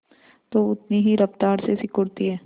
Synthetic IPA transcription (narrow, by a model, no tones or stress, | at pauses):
t̪oːʊt̪niɦiɾɐft̪aːɾsesɪkʊɽt̪iɦɛː